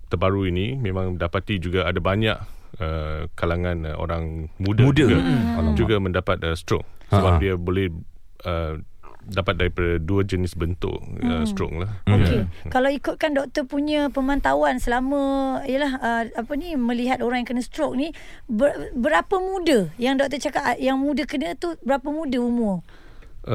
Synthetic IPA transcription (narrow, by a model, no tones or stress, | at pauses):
t̪ərbaɾuinimẽmãŋdapat̪id͡ʒuɡaadabaɲaʔ | əkalaŋãno̰ɾaŋmudaudəɡad͡ʒuɡamə̃ndapat̪̚əst̪ɾɔ̰k̚səbapdiabolɛh | ə | dapat̪̚daɾipadaduəd͡ʒənɪsbənt̪ʊ̰ʔəst̪ɾɔ̰klahokekalawikut̪̚kandɔk̚t̪əpuɲə̃pəmãnt̪awansəlamə̃ijəlahəapənimə̃liɦat̪̚oɾaŋjaŋkənəst̪ɾɔk̚nibəbəɾapəmudəjaŋdɔk̚t̪ət͡ʃakaʔjaŋmũdəkənə̃t̪ubəɾapəmũdəumu